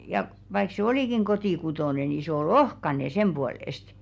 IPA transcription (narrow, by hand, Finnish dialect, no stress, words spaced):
jɑ ʋɑik se oliˑkiŋ kotiˑkutoˑne ni sĕ ol̆ ohkɑne semb̥uoleˑst